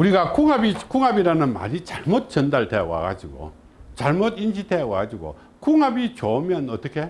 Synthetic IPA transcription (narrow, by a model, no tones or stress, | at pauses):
uɾiɡakuŋabikuŋabiɾanɯnma̰ɾit͡ɕaɭmot̚t͡ɕʌndaɭtʰewa̰ɡa̰d͡ʑiɡo̰ | t͡ɕaɭmodinɕ̬ʰitʰewaɡad͡ʑiɡo̰ | kuŋabit͡ɕomjʌnʌt͈ʌkʰe̞